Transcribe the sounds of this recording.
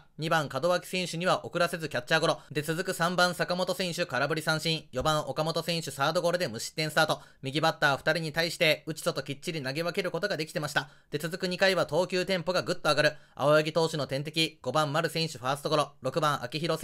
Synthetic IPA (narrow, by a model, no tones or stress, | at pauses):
ɲ̟ibãŋkad̪o̞βakʲi̥sẽ̞ɰ̃ɕɨɲ̟iβaʔo̞kɯ̟ɾase̞zɨkʲat͡ɕːaːɡo̞ɾo̞d̪e̞t͡sɨzɨkɯ̟sãmbãsakamo̞t̪o̞sẽ̞ɰ̃ɕɨkaɾabɯ̟ɾʲisãɰ̃ɕĩɰ̃jo̞bãɰ̃ʔo̞kamo̞t̪o̞sẽ̞ɰ̃ɕɨsaːd̪o̞ɡo̞ɾɯ̟d̪e̞mɯ̟ɕi̥t̪ːẽsɨ̥t̪aːt̪o̞mʲiɡʲibat̪ːaːɸɯ̟̥t̪aɾʲiɲ̟it̪aiɕi̥t̪e̞ɯ̟t͡ɕi̥sot̪o̞kʲit͡ɕːiɾʲinaɡe̞βake̞ɾɯ̟ko̞t̪o̞ɡad̪e̞kʲi̥e̞maɕi̥t̪ad̪̥e̞t͡sɨzɨkɯ̟ɲ̟ikaiβat̪o̞ːkʲɨːt̪ẽ̞mpo̞ɡaɡɯ̟t̪ːo̞aɡaɾɯ̟a̰ojaɡʲit̪o̞ːɕino̞t̪ẽ̞nt̪e̞kʲiɡ̥o̞bãmːaɾɯ̟sẽ̞ɰ̃ɕɨɸaːsɨ̥t̪o̞ɡoɾoɾo̞kɯ̟bãɰ̃ʔa̰kʲiçiɾo̞s